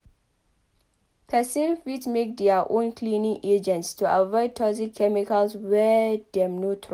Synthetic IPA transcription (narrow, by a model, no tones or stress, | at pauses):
kʰasĩnfitmek̚dɛaʔõnkʰlinĩŋʔed͡ʒɛ̃ntstʰua̰vɔɪd̚tʰɔzikʰːɛmikəlswɛdɛ̃mnotʰɹ